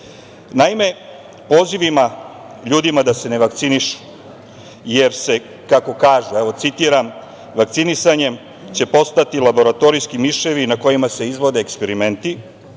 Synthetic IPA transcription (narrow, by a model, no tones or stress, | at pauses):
naime̞ | po̞ːziʋima | ʎuːd̪imad̪ase̞ne̞ʋakt̪siniʃu̥ | je̞ɾse̞ | kako̞kaːʒueʋo̞t̪sit̪iɾam | ʋakt̪sinisaɲe̞m | t͡ɕe̞po̞st̪at̪ilabo̞ɾat̪o̞ɾijskimiʃe̞ʋinako̞jimase̞izʋo̞d̪e̞ːkspe̞ɾime̞nt̪i